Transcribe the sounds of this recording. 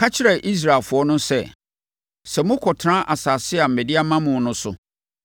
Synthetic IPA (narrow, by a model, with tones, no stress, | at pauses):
kʰa˦t͡ɕʰɪ˦ɾɛ˨ʔi˦s̬ɾa˨lfʊ˨ɔ˦nʊ̃˦sɛ˦˨ | sɛ˨mʊ̃˦kʰɔ˨tʰɾã˦ʔa˨saː˨sɪ˦a˨m̩˨mɛ̃˨di˦a˦mã˦mʊ̃˨˦nʊ̃˦sʊ̰˨